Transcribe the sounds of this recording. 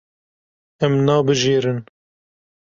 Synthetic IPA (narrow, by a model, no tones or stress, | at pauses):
ɛmnɑːbɨʒeːɾɨn